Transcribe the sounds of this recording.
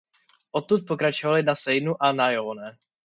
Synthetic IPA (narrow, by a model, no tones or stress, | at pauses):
ʔot̪ːut̪̚po̞kɾat͡ʃovalɪnasɛjnuʔanajoːnɛ